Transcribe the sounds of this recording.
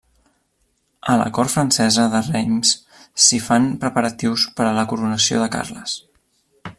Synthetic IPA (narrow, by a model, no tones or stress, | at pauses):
ələ̰kɔɾfɾənsɛzəðərejmsː | ifanpɾəpəɾət̪iwspəɾələkuɾunəsio̰ðəka̰rləs